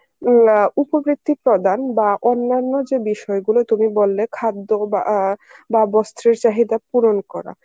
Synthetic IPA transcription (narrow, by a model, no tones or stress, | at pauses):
upobɾit̪ːipɾod̪anbaʔonːanːod͡ʑebiʃɔeɡulot̪umibolːekʰad̪ːobababɔst̪ɾiɾt͡ɕaɦid̪apuɾonkɔɾa̰